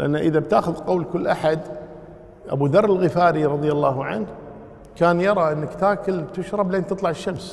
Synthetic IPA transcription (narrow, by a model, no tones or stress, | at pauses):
lʔa̰nːaʔəðabt̪aːxʊðqowlkʊlːʔaħad̪ | ʔa̰bud̪ɑɾˤːɪlɣɪfaːɾiɾˤɑðˤjalːɑːɦʕa̰nh | kaːnjɑɾˤɑʔɪnːakt̪aːkʊlt̪ɪʃɾˤɑbleːnt̪ɨt̪ˤlɑʕɪʃːams